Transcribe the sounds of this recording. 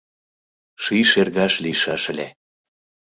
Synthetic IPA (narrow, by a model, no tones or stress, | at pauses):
ʃiʃerɣɑʃliʃɑʃəlʲe